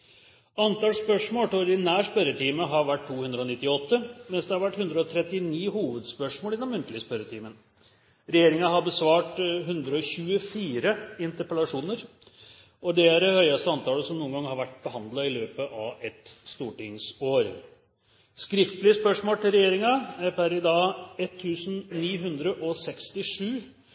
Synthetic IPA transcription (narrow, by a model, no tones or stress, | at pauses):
ɑnt̪ʰɑːlspœʂmoːlt̪ʰɪɔɾd̪ɪnæːɾspœɾət̪ʰiːməɦɑɾʋæʈt̪ʰːuːhʉnd̪ɾəɔnɪt̪ːɪɔt̪ːəmɛnsd̪ɛhɑɾʋæʈːhʉnd̪ɾəɔt̪ʰɾɛt̪ːɪniːɦuːʋəd̪spœʂmoːlɪɛnɔmːʉnt̪əlɪəspœɾːət̪ʰiːmən | ɾɛjeːɾɪŋɑɦɑɾbəsʋɑːʈɦʉnd̪ɾəɔɕʉːəfiːɾəɪnt̪əɾpəlɑʂuːnəɾ | ɔd̪ɛæɾhœʏɑst̪əɑnt̪ʰɑːləsɔmnuːəŋɡɑŋhɑɾʋæʈːbəɦɑnd̪lɑɪløːpəʔɑʋɛt̪st̪uːʈɪŋsoːɾ | skɾɪft̪lɪəspœʂmoːlt̪ʰɪlɾɛjeːɾɪŋɑæɾpʰæɾɪd̪ɑːɛt̪ʰːʉːsn̩niːɦʉnd̪ɾəʔɔsɛkst̪ɪʂʉː